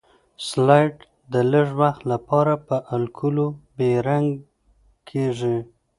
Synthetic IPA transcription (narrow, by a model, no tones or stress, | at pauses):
slɑjʈ | d̪ələʐwaxt̪lapɑɾapəʔalkʰulobeɾaŋɡ | kʰeʐi